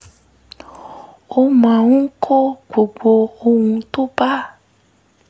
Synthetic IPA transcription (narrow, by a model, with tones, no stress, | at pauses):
o˦mã˨ŋũ˦kʰo˦ɡ͡bo˨ɡ͡bo˧o˧wũ˧t̪o˦ba˦